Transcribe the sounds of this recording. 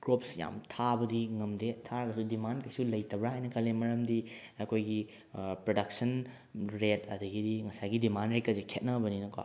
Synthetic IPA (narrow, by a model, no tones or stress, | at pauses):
ɡɾopsja̰mtʰabɐdiŋɐmdetʰaɾɐɡɐsudimankɐjsulɐjtʰɐbɾaɦajnɐkʰɐlːemɐɾɐmdiɐkʰojɡi | pɾodɐksɐn | ɾetɐdɐɡidiŋɐsajɡidimanɾet̚kːɐsekʰet̚nɐbɐninɐka̰